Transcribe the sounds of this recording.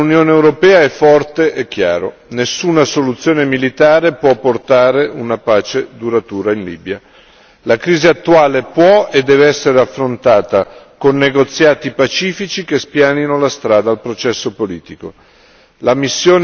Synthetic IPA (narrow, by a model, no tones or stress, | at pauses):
unjoːneːwɾopɛːaɛfːɔrt̪eʔekːja̰ːɾo̰ | nesːuːnasolut̪sːjoːnemilit̪aːɾepwɔpːort̪aːɾeunapaːt͡ʃed̪uɾat̪uːɾainliːbja | lakɾiːziat̪ːuaːlepwɔed̪ːɛːveɛsːeɾeafːɾont̪aːt̪akonːeɡot̪sːjaːt̪ipat͡ʃiːfit͡ʃikespjaːninolast̪ɾaːd̪aːlpɾot͡ʃɛsːopoliːt̪iko | lamisːjoːn